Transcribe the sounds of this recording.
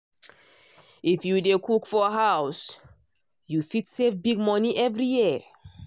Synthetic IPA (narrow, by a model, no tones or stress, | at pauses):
ifjudekʰukfɔɦaws | jufitsefbiɡ̚mɔniʔɛvɹiji